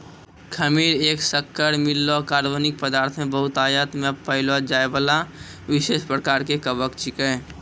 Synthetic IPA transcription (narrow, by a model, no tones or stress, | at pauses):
kʰəmiːɾeːksəkːəɾmɪlːokaːɾʋənɪk̚pəd̪aːɾt̪ʰmẽbəɦʊt̪aːjət̪ʰmẽpəɪlod͡ʒaːebalaʋɪʃeːʃpɾəkaːɾkekəbəkt͡ʃɪkɛ̃